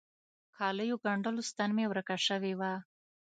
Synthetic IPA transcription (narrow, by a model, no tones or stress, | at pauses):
kʰɑləjoɡaɳɖəlost̪anmewɾəkaʂəwewa